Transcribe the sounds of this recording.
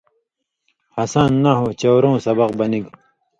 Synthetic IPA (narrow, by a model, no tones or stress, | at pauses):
hɐsaːnːaɦoːt͡ɕɐwɾõːsɐbɐqbɐniɡ